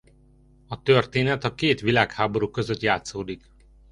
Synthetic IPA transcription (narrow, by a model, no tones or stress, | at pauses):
ɒt̪ørt̪eːnɛt̪ɒkeːt̪ʋilaːkhaːbo̞ɾukːø̞zøt̪jaːt̪soːd̪ik